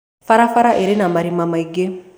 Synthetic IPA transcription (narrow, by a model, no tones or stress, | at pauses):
faɾafaɾaʔeɾenamaɾimamaiɡe